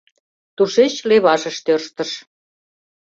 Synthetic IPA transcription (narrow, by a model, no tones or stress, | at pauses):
t̪uʃet͡ɕleβɑʒə̆ʃt̪ørʃt̪əʃ